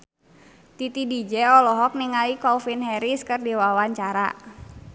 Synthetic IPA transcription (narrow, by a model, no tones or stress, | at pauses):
t̪it̪idid͡ʒɛɔlɔɦɔk̚niŋaikɔfinɦɛɾiskɨrdiwawaɲt͡ʃaɾa̰